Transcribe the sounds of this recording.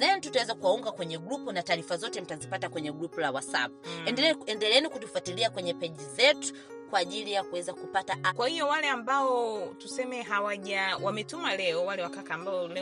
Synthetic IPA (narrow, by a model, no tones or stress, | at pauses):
najɛn̩tutawɛzakuwauŋɡakwɛɲɛɡɾupɔnataːɾifazɔtɛm̩tazipatakwɛɲɛɡɾupɔlawasa̰p̚unɛndɛlɛnikutufatiliakwɛɲɛpɛʄizɛtu̥ | kwaːʄilijakuwɛzakupataʔakwahiɔwalɛambaɔtusɛmɛɦawaʄawamɛtumalɛɔwalɛwakakaːmbaɔl